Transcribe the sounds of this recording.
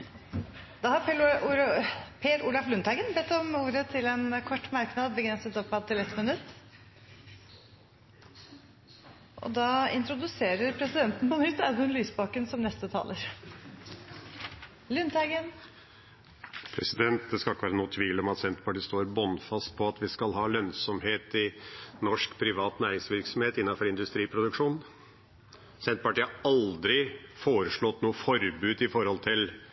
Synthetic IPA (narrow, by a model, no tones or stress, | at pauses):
d̪̥ɑːhɑɾpː | pʰeːɾuːlɑflʉnt̪hæɪɡənbɛt̪ːɔmuːɾət̪ʰɪlɛnkʰɔʈːmæɾknɑːd̪bəɡɾɛnsət̪ɔpːɑt̪ʰɪlɛt̪ːmənʉt̪ː | ʔɔ̰d̪ɑːɪ̰nt̪ɾʊd̪ʉseːɾəɾpʰɾɛsɪd̪ɛnt̪n̩pɔnʏt̪ːɛmənlyːsbɑːkənsɔmnɛst̪ət̪ʰɑ̰ːləɾ | lʏnt̪ʰæɡən | pʰɾɛ̰sɪd̪ɛnt̪̚d̪ɛskɑlɪkːəʋæːɾnuːət̪ʰʋiːlɔmɑt̪sɛnt̪əpɑʈiːst̪oːɾbɔnfɑst̪̚pʰɔɑt̪ʋɪskɑlɦɑːlœnsɔmheːt̪ɪnɔʂkpʰɾɪʋɑːt̪næːɾɪŋsʋɪɾksɔmheːt̪ɪnːɑfɔɾɪnd̪ʉst̪ɾiːpʰɾʊd̪ʉkʂuːnn | sɛnt̪̚pɑʈiːɑɑld̪ɾɪfoːɾəʂɭɔt̪nuːəfɔɾbʉːd̪ɪfɔɾhɔlt̪ʰɪl